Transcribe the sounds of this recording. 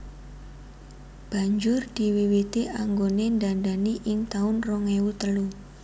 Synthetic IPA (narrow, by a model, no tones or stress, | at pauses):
b̥a̤ɲd͡ʒʊrd̪̥i̤wiwit̪iʔaŋɡonendandaniʔɪŋt̪aʊnrɔŋewut̪əlu